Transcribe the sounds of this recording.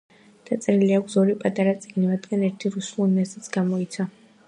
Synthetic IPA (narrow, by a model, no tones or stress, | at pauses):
d̪̥at̪sʼɛɾiliakʰzɔɾipʼat̪ʼaɾat̪sʼiɡnivad̪ɡanɛɾt̪ʰiɾusulˠinɛsit̪sʰɡ̥amɔit̪sʰa